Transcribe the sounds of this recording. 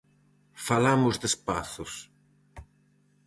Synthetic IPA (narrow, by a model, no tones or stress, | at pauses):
falamʊzðespaθʊs